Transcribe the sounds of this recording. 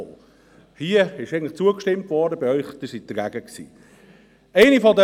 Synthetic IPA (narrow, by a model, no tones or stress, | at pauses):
o̰ː | hiəɪʃɛɡəntlə̥χt͡suəkʃtɪmtʋɔːɾdəbɪœʏχd̥əsit̚d̥əɾɡæɡ̥əksḭː | ɛɪnifɔdə